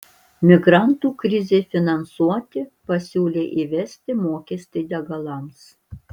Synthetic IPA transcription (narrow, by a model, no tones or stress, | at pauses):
mʲɪɡɾɑˑnt̪uːkɾʲɪzʲefʲɪnɐnsuɔt̪ʲɪpɐsʲuːlʲeːʔiʋʲɛsʲt̪ʲɪmoːkʲɛsʲt̪ʲɪd̪ʲɛɡɐlˠɐms